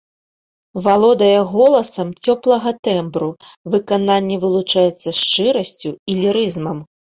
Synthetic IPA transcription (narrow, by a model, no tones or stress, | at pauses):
valˠɔd̪ɐjɛɣɔlˠɐsɐmt͡sʲɔplˠɐɣɐt̪ɛmbɾuvɨkananʲːɛvɨlˠut͡ʂajɛt̪sːɐst͡ʂɨɾɐsʲt͡sʲuilʲiɾɨzmɐm